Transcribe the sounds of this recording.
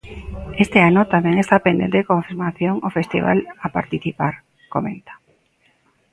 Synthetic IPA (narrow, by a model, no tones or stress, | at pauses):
est̪eanot̪amẽŋest̪apend̪ḛnd̪ekoɱfiɾmaθjoŋofest̪ḭβa̰lapa̰ɾt̪iθipaɾ | komẽnt̪ḁ